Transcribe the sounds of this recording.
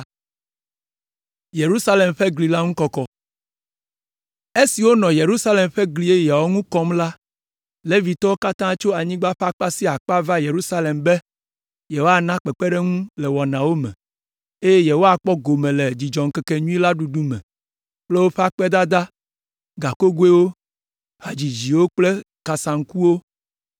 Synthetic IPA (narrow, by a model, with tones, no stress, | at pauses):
je˨ɾu˦sa˦le˨mɸɛ˦ɡli˨la˦ŋũ˦kɔ˦kɔ˦ | e˦si˨wo˦nɔ̃˨je˨ɾu˦sa˦le˨mɸɛ˦ɡli˨e˦ja˨wo˦ŋũ˦kɔ˦mla˦ | le˦vi˨t̪ɔ˦wo˦ka˦t̪ã˦t͡ʃo˦a˨ɲĩ˦ɡ͡ba˦ɸa˦k͡pa˦si˦a˨k͡pa˦va˦je˨ɾu˦sa˦le˨mbɛ˦ | jɛ˨wo˦a˨nã˦k͡pɛ˨k͡pɛ˦ɖɛ˦ŋũ˦lɛ˨wɔ˨nã˨wo˦mɛ̰̃˨ | e˦je˦jɛ˨wo˦a˨k͡pɔ˦ɡo˨mẽ˨lɛ˨d͡ʑi˨d͡ʒɔ˨ŋ̩˨kɛ˦kɛ˦ɲũ˦ĩ˦la˦ɖu˨ɖu˦mɛ̰̃˨ | k͡plɛ˦wo˦ɸe˦a˦k͡pɛ˦d̪a˦d̪a˦ | ɡa˨ko˦ɡwe˦wo˦ | ha˨d͡ʑi˨d͡ʑi˨wo˦k͡ple˦ | ka˨sa˨ŋ̩˦ku˦wo˦